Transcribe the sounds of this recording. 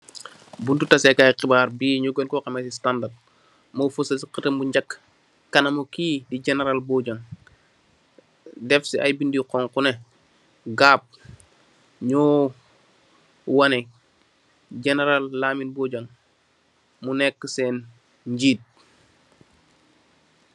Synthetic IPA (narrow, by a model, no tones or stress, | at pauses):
buntutɐsɛkaːjqibaːɾbiːɲuɡonkɔqɐmɛsistandad̚ | mofusɐsiqətəmbuɲɟɐkː | ɐnɐmokiːdid͡ʒɛneɾalboɟɐŋ | dɛfsiʔɐjbindiqɔŋkune | ɡaːp̚ | ɲɔː | wɐnɛ | d͡ʒɛneɾalːaːminboːɟɐŋ | munɛkːəsɛn | ɲɟiːt̚